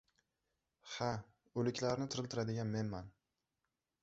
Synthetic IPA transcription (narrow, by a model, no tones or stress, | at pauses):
ha | ɵlɪkʲlaɾnɪt̪ʰʊɾɪlt̪ʰɪɾad̪ɪɡʲanme̞nman